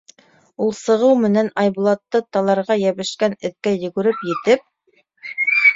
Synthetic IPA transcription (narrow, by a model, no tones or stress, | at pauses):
ulˠsɤ̆ʁɤwmɘ̆nænɑjbulˠɑt̪ːɤt̪ɑlˠɑɾʁɑjæβɘ̆ʃkænɘ̆θkæjɵ̆ɡɵ̆ɾɘpjɘ̆t̪ɘp̚